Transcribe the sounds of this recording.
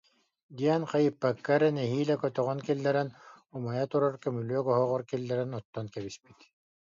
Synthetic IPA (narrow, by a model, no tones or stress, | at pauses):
d̪iɛnqajɯpːakːaɾɛnɛɦiːlɛkœt̪œʁɔnkɛlːɛɾɛnumajat̪uɾaɾkɛmylyœɡɔɦɔʁɔɾkɛlːɛɾɛnɔt̪ːɔnkɛβispit̪